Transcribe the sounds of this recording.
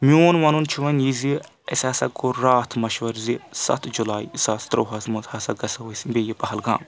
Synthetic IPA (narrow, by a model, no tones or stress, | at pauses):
mʲioːnʋɐnunt͡ʃʰuʋɐnjizi | ɐ̰sʲaːsɐkoɾaːt̪ʰmɐʃʋɐɾzisɐ̰t̪ʰd͡ʒulaːisaːst̪ɾoːɦɐzmuzhaːsɐɡɐsɐwɐsbeːjipɐɦɐlɡa̰ːm